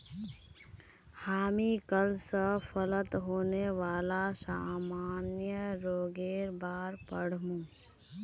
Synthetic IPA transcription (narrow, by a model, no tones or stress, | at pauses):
haːmikəlsəfʰələt̪ɦoːneʋaːlasaːmaːnjəɾoːɡeːɾbaːɾpəɽ̤mũː